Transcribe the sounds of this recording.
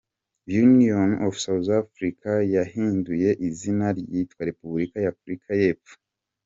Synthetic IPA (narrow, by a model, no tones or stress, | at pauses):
junionofsawzafɾikʰajahiːnduje̞ʔizinaɾjitwaɾe̞pubɾikajafɾikʰaje̞ːpp͡ffo̥